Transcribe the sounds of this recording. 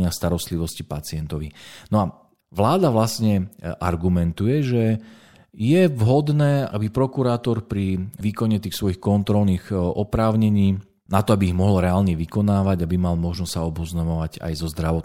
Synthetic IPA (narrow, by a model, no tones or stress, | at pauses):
ɪast̪aɾɔst̪liʋɔscipat͡sɪɛnt̪ɔʋinɔa | ʋlaːd̪aʋlasɲɛʔa̰ɾɡumɛnt̪ujɛʒɛ | jɛvɦɔd̪nɛːʔa̰bipɾɔkuɾaːt̪ɔɾpɾiʋiːkɔɲɛt̪iːxsʋɔjixkɔnt̪ɾɔlniːɣʔɔpɾaːʊɲɛɲiː | nat̪ɔabiːɣmɔɦɔlɾɛaːlɲɛʋikɔnaːʋaɟabimalmɔʒnɔssaɔbɔznamɔʋaɟa̰jzɔzd̪ɾaʋɔt̪